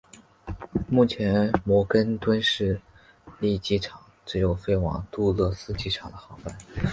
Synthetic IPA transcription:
mu˥˩t͡ɕʰjɛ˧˥nmwɔ˧˥kə˥nt̪wə˥nʂɻ̩˥˧ | li˥˩t͡ɕi˥ʈ͡ʂʰɑ˨˩˦ʈ͡ʂɻ̩˧˥jo˨˩ʊfe˥˩ɪwɑ̰˨˩ŋt̪u˥˧lɤ˥˩sɹ̩˥t͡ɕi˥˩ʈ͡ʂʰɑ˨˩ŋd̪ə˧˦xɑ˧˥ʊfa˥˩n

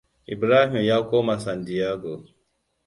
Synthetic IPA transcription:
ḭ˨bɾa˦ɦi˨mja˦ko˦ma˨sa˨ndi˨a˦ɡo˨

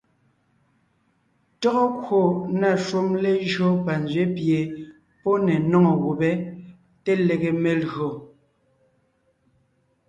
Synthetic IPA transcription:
tɔ˦ɣɔ˦kwo˨na˦˨ʃwo˦mle˦ʒɰo˦pa˨n˨d͡zɥe˦pje˨ | pɔ˦nɛ˨nɔ˦ŋɔ˨wo˨bɛ˦ | te˦le˨ɣe˨me˨lɣo˨

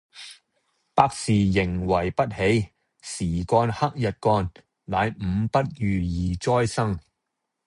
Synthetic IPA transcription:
paː˧k̚siː˨˩jɪ˨˩ŋwɐ˨˩jpɐ˥t̚he˨˥j | siː˨˩kɔː˧nhɐ˥k̚jɐ˨t̚kɔː˧n | laː˨˧jm̩˨˧˥pɐ˥t̚jyː˨˩jiː˨˩t͡sɔː˥jsɐ˥ŋ

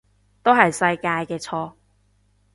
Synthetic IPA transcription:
t̪o˥wɦɐ˨jsɐ˧jkaː˧jkɛː˧t͡sʰɔː˧

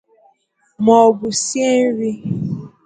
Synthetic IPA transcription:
mɔ˨bʊ˨sje˦n̩˦ɾi˦

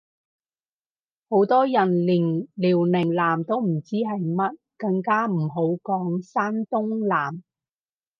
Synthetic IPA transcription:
ho˨˥wt̪ɔː˥jɐ˨˩nliː˨˩ŋliː˨˩wlɪ˨˩ŋlaː˨˩mt̪o˥wm̩˨˩t͡siː˥ɦɐ˨jmɐ˥t̚kɐ˧ŋkaː˥m̩˨˩ɦo˨˥wkɔː˨˥ŋsaː˥nt̪ʊ˥ŋlaː˨˩m

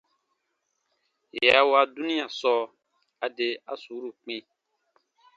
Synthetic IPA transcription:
je˨a˨˦wa˧du˦nĩ˦a˨sɔː˦ | a˨de˧a˦su˨˦ɾu˦˨k͡pĩ˦

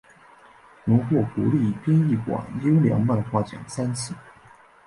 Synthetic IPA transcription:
nʊ˧˥ŋxwɔ˥˩ku˧˥li˥˧˨pji˥ni˥˩kwa̰˨˩njo˥ʊljɑ̰˧˥ŋma˥˧nxwa˥˩t͡ɕjɑ̰˨˩ŋsa˥ns̩ʰ˥˩

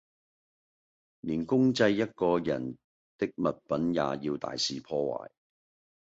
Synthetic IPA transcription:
niː˨˩nkʊ˥ŋt͡sɐ˧jːɐ˥t̚kɔː˧jɐ˨˩n | t̪ɪ˥k̚mɐ˨t̚pɐ˨˥nja̰ː˨˧jiː˧wt̪a̰ː˨jsiː˨pʰɔː˧wa̰ː˨˩j

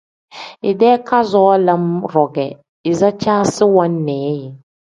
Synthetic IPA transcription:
i˨dɛː˦ka˦zɔ˦la˦mɾɔ˨ɡɛ˨ | i˨za˦t͡ʃaː˦sɨ˦wa˦nː˦ɛː˨˦jɪ˨

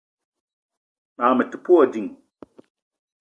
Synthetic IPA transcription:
ma˨mə˨tu̥˨pu˦ɔ˦˨di˨ŋ

